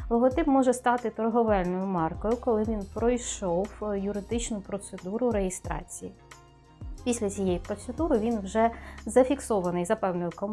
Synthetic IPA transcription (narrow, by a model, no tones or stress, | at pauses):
lˠɔɦɔt̪ɪpmɔʒɛst̪ɑt̪ɪt̪ɔrɦɔʋɛlʲnɔjʊmɑrkɔjʊkɔlˠɪʋʲinpɾɔjʃɔwjʊɾɪd̪ɪt͡ʃnʊpɾɔt̪sed̪uɾʊɾejɪst̪ɾɑ̰t͡sʲiji | pʲisʲlʲɐt͡sʲijɛjipɾɔt̪sed̪uɾɪʋʲinwʒɛzɐfʲiksɔʋɐnɪjzɐpɛwnɔjʊkɔm